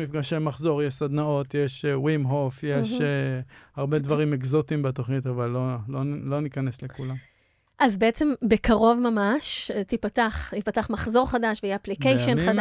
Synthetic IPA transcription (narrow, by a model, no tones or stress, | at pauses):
mifɡaʃemaχzo̞ʁjeʃsad̪nao̞t̪jeʃwimɦofjeʃeaʁbed̪vaʁimekzot̪imbet̪o̞χnit̪avalːololo̞nikaneslekulam | ʔazbeet͡se̞mbekaʁo̞vmamaʃt̪ipataχtipataχmaχzo̞ʁχadaʃveajeaplikejʃonχada